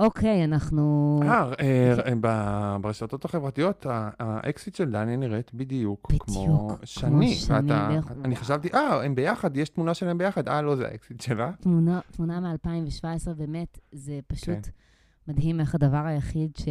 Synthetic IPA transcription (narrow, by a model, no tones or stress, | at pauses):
ʔokʰejanaχnuaʁebabeʁeʃat̪o̞t̪aχevʁat̪ijo̞t̪aːʔeksit̪ʃeld̪anjaniʁet̪bid̪ijukb̥idmoukʃamniveanaaniχaʃavt̪iʔaembejaχadjeʃt̪munaʃelaembejaχad̪alo̞zea̰ʔeksit̪ʃelat̪munatmunamealpaimveʃvaesʁebemetzepaʃkut̪ | madɦimeχadavaʁajaχidʃe